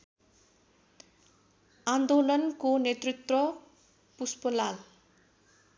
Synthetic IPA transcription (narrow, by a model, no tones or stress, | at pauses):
and̪olʌnkonet̪rit̪rʌ | puspʌlal